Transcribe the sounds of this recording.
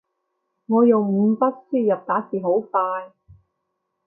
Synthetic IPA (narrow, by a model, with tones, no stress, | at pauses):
ŋɔː˨˧jʊ˨ŋm̩˨˧˥pɐ˥t̚siː˥˩jɐ˨p̚t̪aː˨˥siː˨ɦo˨˥wfaː˧j